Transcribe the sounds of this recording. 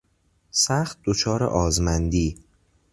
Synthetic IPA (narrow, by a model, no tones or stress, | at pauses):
sæxt̪̚d̪̥ot͡ʃʰɒːɾḛʔɒːzmænd̪iː